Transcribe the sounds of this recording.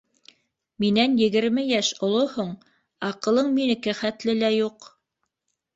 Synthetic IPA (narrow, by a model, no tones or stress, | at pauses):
minænjɘ̆ɡɘ̆ɾmɘjæʃŏlˠohoɴ | ɑqɤ̆lˠɤɴminɘ̆kɘχæt̪lɘlæjuq